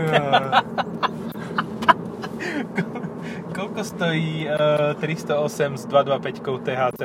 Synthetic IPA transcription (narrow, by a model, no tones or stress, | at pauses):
k | kɔlkɔst̪ɔjiːt̪ɾist̪ɔɔsɛmzd̪ʋad̪ʋapɛckɔʊt̪ɛːɦaːt͡sɛ